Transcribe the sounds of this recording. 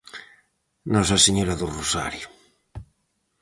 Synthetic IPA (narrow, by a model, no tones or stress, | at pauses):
nɔsaseɲoɾaðurosa̰ɾjo